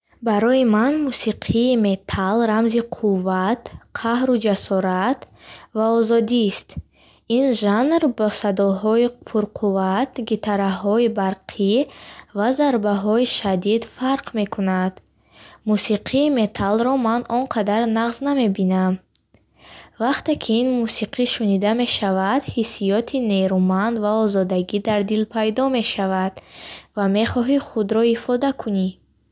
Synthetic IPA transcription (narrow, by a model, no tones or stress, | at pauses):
baɾɔimanmusiqʰiːme̞t̪ʰalɾamziqʰuvːat̪qʰahɾud͡ʒasɔɾat̪ | vaɔzɔd̪ist̪ | inʒanɾbɔsad̪ɔɦɔipʰuɾqʰuvat̪ɡit̪ʰaɾaɦɔibaɾqʰivazaɾbaɦɔiʃad̪id̪faɾqme̞kʰunad̪̥ | musiqʰiːme̞t̪ʰalɾɔmanʔɔnqʰad̪aɾnaʁzname̞binam | vaqt̪e̞kʰiinmusiqʰiʃunid̪ame̞ʃavad̪hisijɔt̪ʰine̞ɾumand̪vaɔzɔd̪aɡid̪aɾd̪ilpʰajd̪ɔme̞ʃavad̪̥vame̞χɔɦiχud̪ɾɔifɔd̪akʰuni